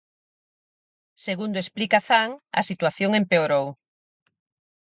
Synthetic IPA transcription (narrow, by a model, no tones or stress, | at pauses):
seɣund̪oesplikaθaŋɐ̰sit̪waθjoŋempeoɾow